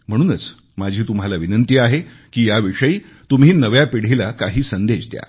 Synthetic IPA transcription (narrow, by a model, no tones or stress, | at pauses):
m̤əɽ̃uːnət͡s | mad͡ʑʱiːt̪umɦalaʋinənt̪iːaɦe | kiːjaʋiʂəiː | t̪um̤iːnəʋjapiɽ̤ilakaɦiːsənd̪ed͡ʑt̪ja̰